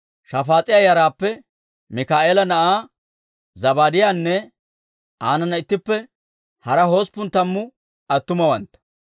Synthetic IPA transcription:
ʃɐfaːt͡sʼɪjajɐɾaːpːɛ | mɪkaːʔeːlɐnɐʔaː | zɐbaːd̪ɪjaːnːɛ | ʔaːnɐnːɐɪt̪ːɪpːɛ | hɐɾɐho̞ːspːʊnt̪ɐmːʊ | ɐt̪ːʊmɐwɐnt̪ːɐ̥

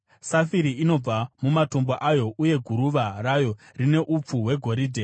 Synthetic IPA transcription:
safiɾiino̞b͡vamumato̞mboʔajo̞ʔuje̞ɡʱuɾuʋaraːjo̞ | rine̞ʔup͡fuwe̞ɡʱo̞ɾiːdʱe

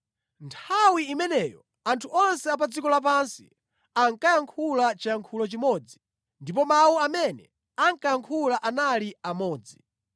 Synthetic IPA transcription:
ntʰawiːmɛnɛjɔ | antʰuɔnsɛapad͡zikɔlap̬ansi̥̰ | aŋkajaŋkʰulat͡ʃajaŋkʰulɔt͡ʃimɔːd͡zi | ndip̬ɔmawuamɛnɛ̰ | aŋkajaŋkʰulaʔanaliamɔːd͡zi

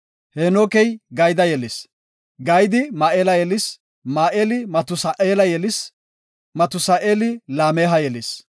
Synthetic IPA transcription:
heːnoːkɛjɡɐjd̪ɐjɛlɪs | ɡɐjd̪ɪmaːʔeːlɐjɛlɪs | maːʔeːlɪmɐt̪ʊsaʔeːlɐjɛlɪs | mɐt̪ʊsaːʔeːlɪlaːmeːɦɐjɛlɪs

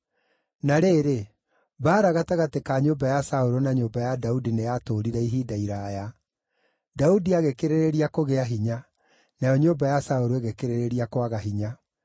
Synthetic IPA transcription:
naɾeːɾe | βaːɾaɣataɣatekaɲoːbajasaoɾonaɲoːbajadaudinejatoːɾiɾɛiɦiːdaiɾaja | daudiaɣekeɾeɾeɾiakoɣeaɦiɲa | najɔɲoːbajasaoɾoeɣekeɾeɾeɾiakwaɣaɦiɲa

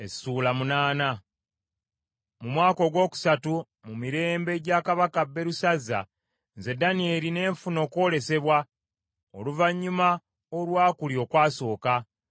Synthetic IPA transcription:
e̞suːlamunaːna | mumwaːko̞ɡwo̞ːku̥satu | mumiɾe̞ːmbe̞ːɟaːkaβakabːe̞ɾusazːa̰ | ze̞danie̞ːɾine̞ːɱfuno̞ːko̞ːle̞se̞βwa | oluvaɲːuma | olwaːkulio̞ːkwaːso̞ːka

